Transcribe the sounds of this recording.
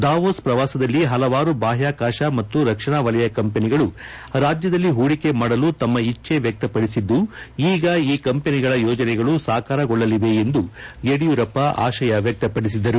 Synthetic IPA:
d̪aːʋoːspɾɐʋaːsɐd̪ɐlːiɦɐlɐʋaːɾubaːɦjaːkaːʃɐmɐt̪ːuɾɐkʂɐɳaːʋɐlɐjɐkɐmpeniɡɐɭu | ɾaːd͡ʒjɐd̪ɐlːiɦuːɽike̞maːɽɐlut̪ɐmːɐit͡ʃːe̞ʋjɐk̚t̪ɐpɐɽisid̪ːuiːɡɐiːkɐmpeniɡɐɭɐjɔːd͡ʒɐnɛɡɐɭusaːkaːɾɐɡɔɭːɐliʋe̞end̪uɡeɽijuɾɐpːɐa̰ːʃɐjɐʋjɐk̚t̪ɐpɐɽis̬id̪ːɐɾu

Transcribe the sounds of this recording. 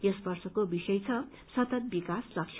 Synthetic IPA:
jʌsbʌrsʌkobisʌjt͡sʰʌ | sʌt̪ʌt̪̚bikaslʌk̚sʰ

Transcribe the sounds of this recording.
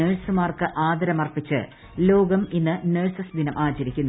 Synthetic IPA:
eːɻsɨmaːrkɨʔaːd̪ɐɾɐmɐrpːit͡ɕːɨ̰ | lo̞ːɡɐminːɨneɻsɐsd̪ʱinɐmʔaːt͡ɕɐɾikʲːunːu

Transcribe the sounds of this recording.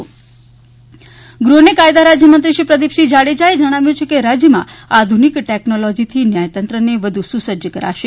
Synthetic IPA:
ɡɾunekajd̪aɾad͡ʒjəmənt̪ɾiʃipɾəd̪ipʃid͡ʒaɽed͡ʒaed͡ʒəɽ̃aʋjõt͡ʃʰekeɾad͡ʒjəmã̰ad̪ʱunikʈeknolod͡ʒit̪ʰinjajt̪ənt̪ɾəneʋəd̪ʱususəd͡ʒəkəɾa̰ʃe

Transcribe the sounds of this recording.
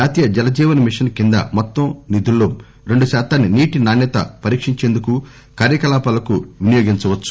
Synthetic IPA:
aːt̪iːjɐd͡ʒɛlɐd͡ʒiːʋɐnɐmiʂɐnkind̪ɐ̰mɔt̪ːɐmnid̪ulːo̞ː | ɾe̞ɳɖuʃaːt̪aːnːiniːʈinaːnːɛt̪ɐ̰pɐɾiːkʂiɲt͡ʃeːnd̪uku | kaːɾjɐkɐlaːpɐːlɐkuʋinijoːɡiɲt͡ʃɐʋɐt͡ʃːu̥

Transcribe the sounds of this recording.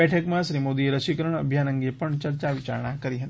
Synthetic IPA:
ɛʈʰəkmãʃɾimod̪ieɾəʃikəɾəɳ̃ə̰bʱjanə̃ŋɡepəɳt͡ʃəɾt͡ʃaʋɪt͡ʃa̰ɾɳ̃akəɾiɦət̪i

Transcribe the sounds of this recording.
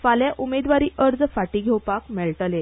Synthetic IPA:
faljaʔumed̪ʋaɾiːʔəɾd͡zfaʈiːɡʱewpakmeɭʈəle

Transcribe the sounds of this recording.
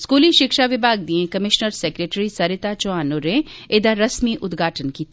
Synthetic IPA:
skuːliʃɪkʃaʋɪbʱaːɡ̚d̪iẽkɐmɪʃnəɾseːkɾeːʈɾisɐɾɪt̪at͡ʃoaːnoɾẽeːd̪aɾɐsmiʔʊd̪ɡʱaːʈənki

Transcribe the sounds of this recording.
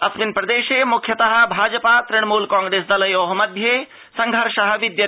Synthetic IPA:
ɐsminpɾɐd̪eːʃeːmukʰjɐt̪ɐɦɐ̆bʱaːd͡ʒɐpaːt̪ɾɪɳmuːlkãːŋɡɾeːsd̪ɐlɐjoɦɐmɐd̪ʱjeː | sɐŋɡʱɐɾʃɐɦɐʋid̪jɐ

